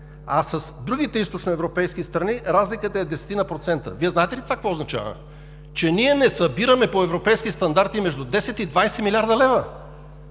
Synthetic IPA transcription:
asɐsd̪ɾuɡ̟it̪ɛist̪ot͡ʃnoɛvɾopɛjsk̟ist̪ɾɐniɾazlikət̪əɛd̪ɛsɛ̥t̪inəpɾot̪sɛnt̪ə̰viɛznaɛt̪ɛlit̪ovakəkvɔoznɐt͡ʃa̰və̰ | t͡ʃɛniɛnɛsɐbiɾəmɛpoɛvɾopɛjskist̪ɐnd̪aɾt̪imɛʒd̪ʊd̪ɛsɛt̪id̪vajsɛmilʲaɾd̪əlɛvə

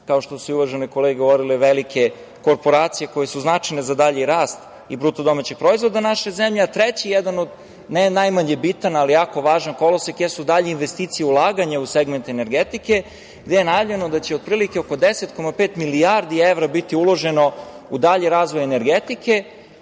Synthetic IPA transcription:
kaoʃt̪osuiuʋaʒeniko̞leɡeɡoo̞ɾileʋelikʰe̞ | ko̞ɾpo̞ɾaːt̪sije̞ko̞jesuznat͡ʂajne̞zad̪aʎeɾaːst̪ | ibɾut̪od̪o̞mat͡ɕeɡ̚pɾo̞izvo̞d̪anaʃezemʎeat̪ɾet͡ɕijɛd̪anod̪ | nenajmaɲebit̪analijaːko̞ʋaːʒanko̞losikjesud̪aʎeinʋest̪iːt̪sijeulˠaːɡaɲauseɡment̪ene̞ɾɡet̪ike̞ | ɡd̪ejenajavʎe̞nod̪at͡ɕeo̞d̪̚pɾiːlikeoko̞d̪eset̪ko̞mapeːt̪miliaɾd̪ieʋɾabit̪iulˠo̞ʒe̞no̞ | ud̪aʎeɾaːzʋojeneɾɡet̪ike

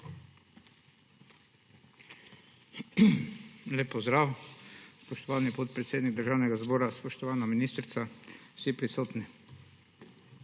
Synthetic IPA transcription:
leːpːɔzd̪ɾaːwspɔʃt̪ɔʋaːnipot̪̚pɾɛt̪seːd̪niɡ̚d̪əɾʒaːwnɛɡazboːɾaspɔʃt̪ɔʋaːnaminist̪ɾit̪sasipɾisoːt̪ni

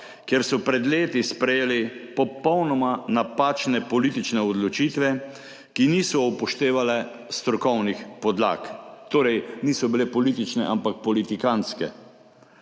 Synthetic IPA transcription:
kjeɾsɔpɾɛd̪leːt̪ispɾɛjeːlipɔpɔwnɔmanapaːt͡ʃnɛpɔlit̪it͡ʃnɛɔd̪lɔt͡ʃiːt̪ʋɛ | kiniːsɔupɔʃt̪eːʋalɛ | st̪ɾɔkɔwnixpɔd̪la̰ːkt̪oːɾɛjniːsɔbilepɔlit̪it͡ʃnɛ̰ʔampak̚pɔlit̪ikanskɛ̰

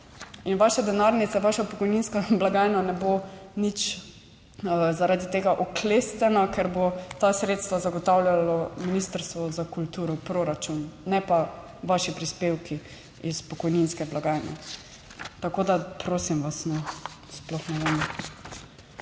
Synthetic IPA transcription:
inʋaʃɛd̪ɛnaɾnit̪sɛʋaʃɔpɔkɔjninskablaɡaːjnɔnɛbonit͡ʃ | zaɾaːd̪it̪eːɡaʔɔklest̪ɛnakɛɾbot̪asɾet̪st̪ʋazaɡɔt̪awljalɔminist̪ɾst̪ʋɔzakult̪uːɾɔpɾoɾat͡ʃunːɛpa | ʋaʃipɾispeːwkʰi | ispɔkɔjninskɛblaɡajnɛ̰ | t̪akoːd̪apɾoːsimʋasnɔ | splɔxnɛʋom

